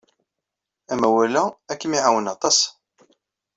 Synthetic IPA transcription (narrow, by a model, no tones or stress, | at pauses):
æmæwælæækːəmiʕawənɑt̪ˤɑs